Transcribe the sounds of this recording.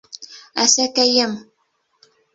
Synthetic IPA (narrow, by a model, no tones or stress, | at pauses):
asakajam